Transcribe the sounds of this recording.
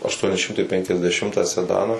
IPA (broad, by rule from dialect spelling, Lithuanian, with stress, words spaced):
ɐʃˈtuɔnʲɪ ˈʃʲɪmtɐɪ pʲɛŋʲkʲɛzʲdʲɛˈʃʲɪmtɑː sʲɛˈdɑːnɑː